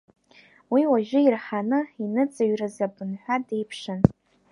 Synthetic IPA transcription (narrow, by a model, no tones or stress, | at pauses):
wiwaʒᶣʊirħanɨinɨt͡sʼaɥrɨzabɨnħʷᶣade̞jpʰʂɨn